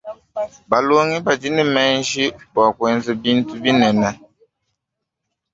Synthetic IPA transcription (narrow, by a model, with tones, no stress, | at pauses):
ba˨lo˦ŋi˦ba˨d͡ʒi˦ni˦˨mɛ˦n˦d͡ʒi˦ba˨kwɛ˦n˦zi˦bi˦n˦tu˦bi˦nɛ˨na˦